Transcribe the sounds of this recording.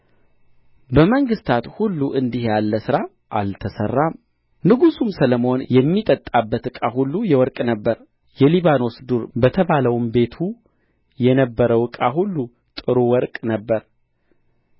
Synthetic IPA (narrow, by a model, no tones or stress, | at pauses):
bəməŋɡɨst̪ʰat̪hulːuʔɨnd̪ihjalːəsɨɾa | ʔalt̪ʰəsə̰rːam | nɨɡusumsələmo̞njɛmːit̪ʼət̪ʼabːət̪ɨkʼaɦulːujɛwɔɾkʼnəbːəɾ | jɛliβano̞sd̪uɾbət̪ʰəβaləwmbe̞t̪ʰu | jɛnəbːəɾəwɨkʼahulːu | t̪ʼɨɾuwɔɾkʼnəbːəɾ